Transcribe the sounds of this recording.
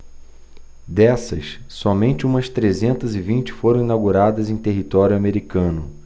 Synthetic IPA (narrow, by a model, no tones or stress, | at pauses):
d̪ɛsɐ̰ssɔmẽnt͡ʃɪũmɐst̪ɾezẽnt̪ɐzɪvĩnt͡ʃɪ̥foɾɐ̃w̃inawɡuɾad̪ɐzẽj̃t̪eɦit̪ɔɾjʊameɾikɐ̃nʊ